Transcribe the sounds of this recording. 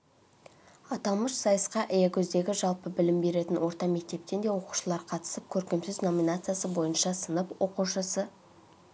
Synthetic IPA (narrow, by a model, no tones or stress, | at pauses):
ɑt̪ɑlˠməʃsɑjəsqɑʔɪjekʲʰɵzd̪e̞ɡʲɪʒɑlˠpəbɪlɪmbe̞ɾe̞t̪ɪnwo̞ɾt̪ɑme̞k̚t̪e̞p̚t̪e̞nd̪e̞wo̞qu̥ʃəlˠɑɾqʰɑt̪ə̥səp̚kʲʰɵɾkʲe̞msɪzno̞mʲinat̪sɨjasəbo̞jənʃɑsənəpwo̞quʃəsə